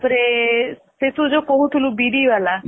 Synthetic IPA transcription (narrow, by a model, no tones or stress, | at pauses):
pɾe | set̪ud͡ʒokɔɦut̪ʰulubiɖiʋala